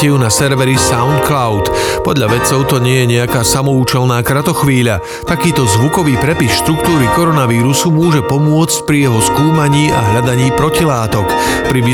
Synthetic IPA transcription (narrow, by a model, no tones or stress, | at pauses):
ɛjunasɛɾʋɛɾisaʊnt̪̚klaʊt̪pɔd̪ʎaʋɛt͡sɔʊt̪ɔɲɪɛjɛɲɛakaːsamɔuːt͡ʃɛlnaːkɾat̪ɔxʋiːʎa | t̪akiːt̪ɔzʋukɔʋiːpɾɛpisʃt̪ɾukt̪uːɾikɔɾɔnaʋiːɾusumʊɔʒɛpɔmʊɔt͡sc̚pɾijɛɦɔskuːmaɲiːʔaɦʎad̪aɲiːpɾɔcilaːt̪ɔk | pɾiʋi